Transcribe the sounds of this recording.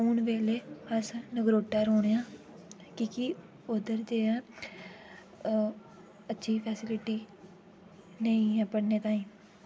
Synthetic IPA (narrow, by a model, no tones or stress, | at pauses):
uːnʋeːleːəsnəɡɾoːʈːaːɾoːɽ̃ejãː | kiki | ʊd̪əɾd͡ʒeːãː | ətːʃʰiːpʰɛːsɪlɪʈiː | nəĩːɛ̃ːpəɽneːt̪ãːĩː